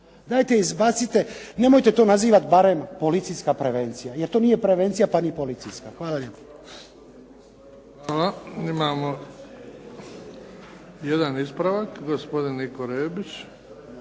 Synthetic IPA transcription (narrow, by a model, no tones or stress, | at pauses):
d̪aːjt̪eizbat̪sit̪ene̞mo̞jt̪et̪o̞ːnaziːʋat̪baɾe̞mpo̞lit̪siskapɾeʋe̞nt̪sijajeɾt̪oːniːjepɾeʋe̞nt̪sijapanipo̞lit̪sijskaxʋaːlaljepa | xʋaːlaimaːmo | jed̪anispɾaʋakɡospo̞d̪inːikoɾeːbit͡ʃ